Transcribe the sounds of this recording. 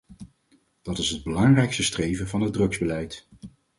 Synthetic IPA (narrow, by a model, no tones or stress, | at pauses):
d̥ɑtɪsɦəd̚bəlɑŋrɛjkstəstrejvənvɑnɦəd̚rɵkzbəlɛjt